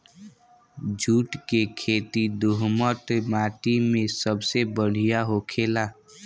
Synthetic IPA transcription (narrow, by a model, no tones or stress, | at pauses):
d͡ʒʱuːʈkekʰeːt̪id̪ʊɦmət̪maːʈimẽsəbsebəɽ̤ijaɦokʰeːlaː